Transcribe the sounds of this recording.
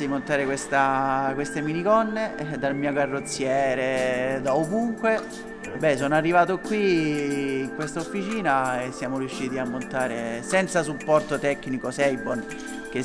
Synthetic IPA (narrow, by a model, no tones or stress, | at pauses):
imont̪aːɾekwest̪akwest̪eminikɔnːed̪almiːoɡarːot̪sːjɛːɾed̪aovuŋkwe | bɛsoːnoarːivaːt̪okwiː | ŋkwest̪aofːit͡ʃiːnaesːjaːmoɾjuʃːiːt̪iamːont̪aːɾesɛnt̪sasupːɔrt̪ot̪ɛkːnikosɛjbon | k̟e